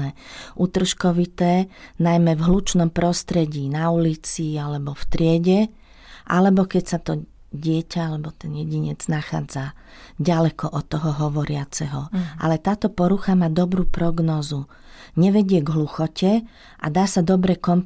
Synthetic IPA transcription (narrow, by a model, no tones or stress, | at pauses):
ɛʔut̪r̩ʃkɔʋit̪ɛːnajmɛvɦlut͡ʃnɔmpɾɔst̪ɾɛɟiːnaulit͡sialɛbɔft̪ɾɪɛɟɛ | ʔa̰lɛbɔkɛcsat̪ɔ | ɟɪɛcaalɛbɔt̪ɛnjɛɟiɲɛd͡znaxa̰ːd͡za | ɟalɛkɔʔɔt̪ːɔɦɔɦɔʋɔɾɪat͡sɛɦɔʔa̰lɛt̪aːt̪ɔpɔɾuxamaːd̪ɔbɾuːpɾɔɡnɔːzu | ɲɛʋɛɟɪɛɡɦluxɔcɛ | ʔa̰d̪aːsad̪ɔbɾɛkɔmp